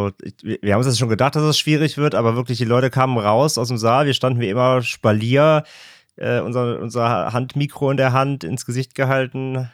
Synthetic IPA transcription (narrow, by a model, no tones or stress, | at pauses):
oːʔɪ̰viːɐhamnʊnstɛʃoːnɡədaχt̚d̥as̬d̥ɛsʃv̥iːʁ̞ɪçv̥ɪɐtʔaːbɐvɪɐklɪçd̥iːlɔʏtəkʰaːmənʁaʊsʔaʊsd̥eːmzaːlviːɐʃtandn̩viːɐʔɪmɐʃpaliːɐ | ʔɛ̰ːʔʊ̰nzɐʔʊ̰nzɐhantmiːkʁ̥oɪndeːɐɦantɪ̰nsɡ̥əzɪçt̚ɡ̥əɦaltn̩